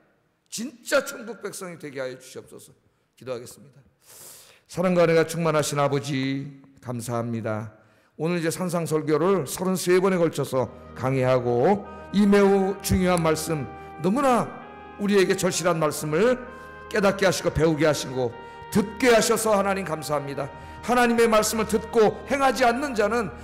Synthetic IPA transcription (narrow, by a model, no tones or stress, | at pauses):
t͡ɕint͡ɕ͈at͡ɕʰoŋɡuk̚p͈ek̚s͈ʌŋidwe̞ɡeɦajʌd͡ʑu̥ɕʰiʌp̚s͈ʌsʰʌ | kidoɦaɡe̞s͈ɯmɲid̥a | sʰaɾaŋɡaneɡat͡ɕʰuŋmanɦaɕʰinabʌd͡ʑikamsʰaɦamɲida̰ | onɯɾid͡ʑe̞sʰansʰaŋsʰʌɭɡjoɾɯɭsʰʌɾɯnsʰebʌne̞kʌɭt͡ɕʰʌsʰʌkaŋeɦaɡoimeut͡ɕuŋjoɦanmaɭs͈ɯm | nʌmuna | uɾie̞ɡe̞t͡ɕʌɭɕʰiɾɦanmaɭs͈ɯmɯɭ | k͈e̞dat̚k͈eɦaɕʰiɡope̞uɡeɦaɕʰinɡo | tɯt̚k͈eɦaɕʰʌsʰʌhanaɲimkamsʰaɦamɲida | hanaɲime̞maɭs͈ɯmɯɭtɯt̚k͈ohe̞ŋɦad͡ʑianːɯnd͡ʑanɯn